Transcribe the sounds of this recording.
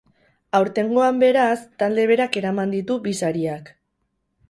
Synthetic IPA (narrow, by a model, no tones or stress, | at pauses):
awɾt̪e̞ŋɡo̞ambe̞ɾast̪ald̪e̞β̞e̞ɾake̞ɾamand̪it̪uβisaɾiak